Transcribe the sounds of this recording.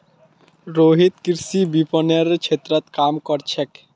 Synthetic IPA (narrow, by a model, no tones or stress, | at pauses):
ɾoɦit̪kiɾsibipɔneɾt͡ʃʰet̪ɾət̪kamkɔɾt͡ʃʰɛk